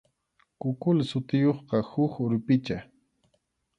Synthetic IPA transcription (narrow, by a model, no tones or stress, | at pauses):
kʊkʊlsʊt̪ɪjoχqɑhʊkʊɾpɪt͡ʃa